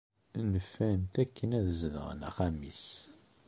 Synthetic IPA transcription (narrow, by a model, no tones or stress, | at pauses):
nəfːænt̪ækːənæðzðə̰ʁ̰næ̰χæmis